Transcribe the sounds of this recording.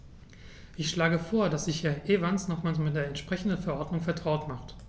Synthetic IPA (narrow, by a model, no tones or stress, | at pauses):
ʔɪçʃlaːɡəfoːɐdasz̥ɪçhɛɐʔeːvansnɔχmaːlsmɪt̚d̥eːɐɛntʃpʁ̥ɛçn̩dən̩fɛɐʔɔɐdnʊŋfɛɐtʁ̥aʊtmaχt